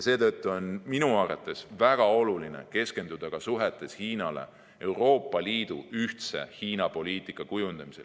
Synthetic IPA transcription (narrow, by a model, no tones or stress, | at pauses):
se̞ːt̪ɤt̪ːuo̞nminuɑrɑ̰t̪ːˑe̞svæɡ̥ɑo̞lulinḛke̞ske̞nd̪̥ud̪̥ɑkɑsuɦe̞t̪ːˑe̞shiːnɑle̞̰ | e̞wro̞ːpˑːɑliːd̪uyht̪se̞̰hiːnɑpo̞liːt̪ˑikːˑɑkujund̪̥ɑmise̞l